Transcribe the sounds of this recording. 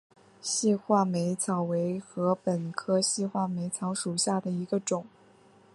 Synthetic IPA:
ɕi˥˧xwa˥˩me˧˥ɪt͡sʰɑ˨˩ʊwe˧˥ɪxɤ˧˥pə˨˩nkʰɤ˥ɕi˥˧xwa˥˩me˧˥ɪt͡sʰɑ˧˥ʊʂu˨˩ɕja˥˩d̪ə˩i˧˥ɡə˧ʈ͡ʂʊ˨˩˦ŋ

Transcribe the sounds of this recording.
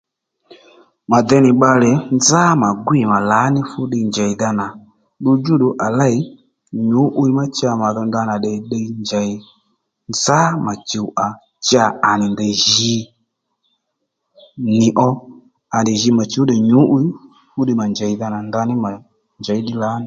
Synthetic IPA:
ma˨d̪ɛ˧˦nɪ˨ɓa˧lɛ˨nza˦ma˨ɡwi˨ma˨la˨˦nɪ˦fu˦ɗi˧nd͡ʒa˨i˨ða˧na˨ | ɗu˧d͡ʒu˦ɗu˨ʔa˨la˦˨i˨˦ | ɲu˨˦ʔu˦i˦ma˦t͡ʃa˧ma˨ðɔ˧nda˧na˨ɗɛ˨ɗɛ˧i˦nd͡ʒa˨i˨ | nd͡za˦ma˨t͡ʃi˨u˨ʔa˨ | t͡ʃa˧˨a˨nɪ˨ndɛ˨ʒi˧˦ | nɪ˨ʔɔ˧ | a˨ndɛ˨ʒi˧ma˨t͡ʃu˦ɗɛ˨ɲu˨˦ʔu˦i˦ | fu˦ɗi˧ma˨nd͡ʒa˨i˨ða˧na˨nda˧ni˦ma˨ | nd͡ʒa˨i˦ɗi˦la˨˦nɪ˦

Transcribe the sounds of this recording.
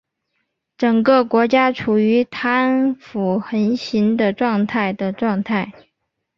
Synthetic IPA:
ʈ͡ʂɤ˨˩ŋkə˥˧kwɔ˧˥t͡ɕja˥ʈ͡ʂʰu˨˩y˧˥t̪ʰa˥nfu˨˩xə˧˥nɕi˧˥nd̪ə˨ʈ͡ʂwɑ˥˧ŋt̪ʰa˥˩ɪd̪ə˩ʈ͡ʂwɑ˥˧ŋt̪ʰa˥˩ɪ

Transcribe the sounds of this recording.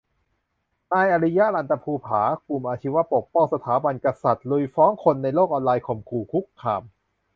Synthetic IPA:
naː˧jʔa˧ɾi˦˥ja˦˥ʔla˧˩nt̪a˧pʰuː˧pʰaː˩˦klu˨˩mʔaː˧t͡ɕʰi˦˥wa˦˥po˨˩k̚pɔ˥˩ŋsa˧t̪ʰaː˩˦ba˧nka˧sa˨˩t̪̚lu˧jfɔː˦˥ŋkʰo˧nːa˧jloː˥˩k̚ʔɔː˧nlaː˧jkʰo˨˩mkʰuː˨˩kʰu˦˥kʰːaː˧m

